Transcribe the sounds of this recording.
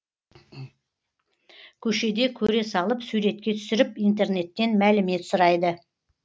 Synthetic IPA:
kʲʰɵʃe̞d̪e̞kʲʰɵɾe̞sɑlˠəpsuɾe̞t̪̚kʲe̞t̪ʰʏ̥sɪɾɪpijnt̪e̞rne̞t̪ːe̞nmælɪme̞t̪sʊɾɑjd̪ə

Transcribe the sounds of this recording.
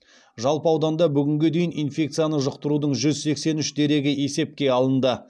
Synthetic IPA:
ʒɑlˠpəɑwd̪ɑnd̪ɑbʏɡʲɪŋɡʲed̪e̞jɪninfʲe̞k̚t̪sijanəʒəqt̪əɾud̪əɴʒʏzse̞kse̞nʏʃd̪e̞ɾe̞ɡʲɪe̞se̞p̚kʲe̞ɑlˠənd̪ə

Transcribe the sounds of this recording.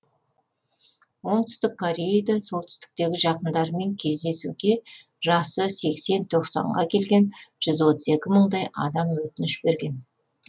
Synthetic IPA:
wo̞ɴt̪ʰʏ̥st̪ɪkʰːoɾʲejejd̪ɑso̞lˠt̪ʰʏ̥st̪ɪ̥k̚t̪e̞ɡʲɪʒɑqənd̪ɑɾəme̞ŋkʲʰe̞zd̪e̞suɡʲe̞ | ʒɑsəse̞kse̞nt̪ʰo̞qsɑ̰ɴʁɑkʲʰe̞lɡʲe̞nʒ̥ʏzwo̞t̪əze̞kʲɪməɴd̪ɑjɑ̰d̪ɑmwɵt̪ɪnɪʃbe̞ɾɡʲe̞n

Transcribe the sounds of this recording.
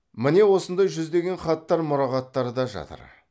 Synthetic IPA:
mɪne̞wo̞sənd̪ɑjʒʏzd̪e̞ɡʲe̞nχɑt̪ːɑɾmʊɾɑʁɑt̪ːɑɾəd̪ɑʒɑ̰t̪ə̰ɾ

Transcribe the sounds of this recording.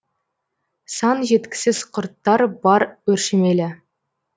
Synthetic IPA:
sɑnʒe̞t̪kʲɪ̥sɪzqʰʊɾt̪ːɑɾbɑɾwɵɾʃemelɪ

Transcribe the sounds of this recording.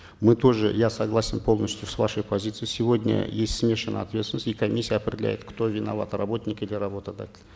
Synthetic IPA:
mɨt̪o̞ʐɨ̰jasɐɡlˠasʲɪnpʰolˠnəsʲt̪ʲjʊsvaʂəjpɐzʲit̪sɨjsʲɪvo̞dʲnʲə̰jesʲtʲsmʲe̞ʂɨnːə̰ɐt̪vʲe̞t̪st̪ʲɪnəsʲikɐmʲisʲːijəɐpɾʲɪdʲɪlʲæ̰jɪt̪kt̪o̞vʲɪnɐ̰va̰t̪rɐbo̞t̪ʲnʲɪkid̪lʲɪrɐbot̪ɐd̪a̰tʲɪlʲ

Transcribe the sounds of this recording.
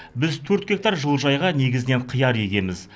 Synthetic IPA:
bɪzt̪ʰɵɾt̪̚ɡʲe̞k̚t̪ɑɾʒəlˠʒɑjʁɑne̞ɡʲɪzɪne̞ɴqʰəjɑɾe̞ɡʲe̞mɪz

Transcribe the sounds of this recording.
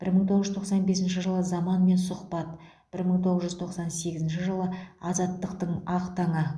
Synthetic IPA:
b̥ɪɾməɴt̪ʰoʁəʒʏzt̪ʰoqsɑnbe̞sɪnʃɪʒəlˠəzɑmɑnme̞nsʊqpɑt̪ | b̥ɪɾməɴt̪ʰo̞ʁəzʒʏzt̪ʰo̞qsɑnse̞ɡʲɪzɪnʃɪʒəlˠəɑzɑt̪ːəqt̪əɴɑqt̪ɑɴə

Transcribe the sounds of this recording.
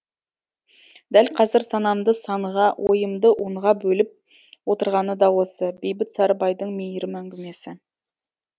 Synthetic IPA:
d̪ælqʰɑzɪɾsɑnɑmd̪əsɑɴəʁɑwʔo̞̰jəmd̪əʔuɴʁɑbɵlɪp̚ | wo̞t̪əɾʁɑnəd̪ɑwo̞səbe̞jbɪt̪sɑɾəbɑjd̪əɴmejɾɪmæŋɡʲɪme̞sɪ

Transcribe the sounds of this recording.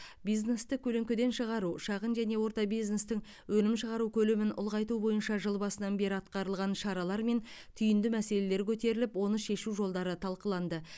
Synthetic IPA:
bijzne̞st̪ɪkʲʰɵleŋkʲɪd̪e̞nʃəʁɑɾuʃɑʁənʒæne̞wo̞ɾt̪ɑbijzne̞st̪ɪŋ | wɵnɪmʃəʁɑɾukʲʰɵlemɪnʊ̰lˠʁɑjt̪ubo̞jənʃɑʒəlˠbɑsənɑnbe̞ɾɪɑt̪qɑɾəlˠʁɑnʃɑɾɑlˠɑɾme̞nt̪ʰʏjɪnd̪ɪmæse̞le̞le̞ɾkʲʰɵt̪e̞ɾɪlɪpwo̞nəʃe̞ʃuʒo̞lˠd̪ɑɾət̪ʰɑlˠqəlˠɑnd̪ə

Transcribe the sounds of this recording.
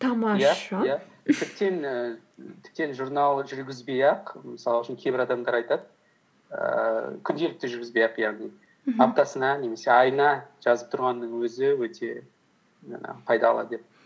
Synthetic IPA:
t̪ʰɑmɑjæjæ | t̪ʰɪp̚t̪e̞nə | t̪ʰɪ̥p̚t̪e̞nʒuɾnɑlˠʒʏɾɡʲɪzbe̞jɑqməsɑlˠʊʃɪnkʲʰebɪɾɑd̪ɑmd̪ɑɾɑjt̪ɑd̪ə | ə̰kʲʰʏnd̪e̞lɪk̚t̪ɪʒʏɾɡʲɪzbe̞jɑqjɑʁnij | apt̪ɑsənɑne̞me̞se̞ɑjnɑʒ̥ɑzəp̚t̪ʰʊɾʁɑnːəɴwɵzɪwɵt̪ʰe̞̰ | pʰɑjd̪ɑɑlˠɑ̰d̪əd̪ep̚

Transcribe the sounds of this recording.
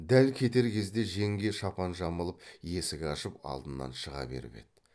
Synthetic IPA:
d̪ælkʲʰe̞t̪e̞ɾkʲʰe̞zd̪e̞ʒe̞ŋɡʲe̞ʃɑpɑnʒɑməlˠəp̚je̞sɪɡʲeɑʃəpɑ̰lˠd̪ənːɑ̰nʃəʁɑ̰be̞̰ɾɪ̰pe̞̰d̪ɪ

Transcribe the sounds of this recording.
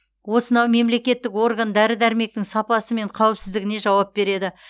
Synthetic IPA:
wo̞sənɑwme̞mle̞kʲe̞t̪ːɪko̞rɡand̪æɾɪd̪æɾme̞k̚t̪ɪŋsɑpɑsəme̞ɴqʰɑwɪpsɪzd̪ɪɡʲɪne̞ʒɑwɑp̚be̞ɾe̞d̪ɪ

